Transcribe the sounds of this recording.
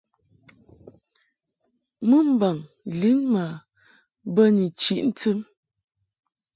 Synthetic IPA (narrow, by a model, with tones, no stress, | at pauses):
mə˦m̩˦ba˨ŋ | li˨˦nma˨ | bə˦ni˨t͡ʃi˦˨ʔn̩˦ti˦m